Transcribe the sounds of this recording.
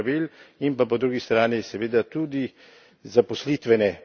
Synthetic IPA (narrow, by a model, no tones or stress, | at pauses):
ʋilimpapɔd̪ɾuːɡist̪ɾaːnisɛʋeːd̪at̪ud̪i | zapɔslit̪ʋɛnɛ